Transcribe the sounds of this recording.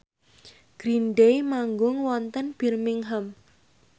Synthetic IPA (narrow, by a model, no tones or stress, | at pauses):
ɡ̥ɾinɖejmaŋɡʊŋwɔnt̪ənb̥i̤rmiŋɦəm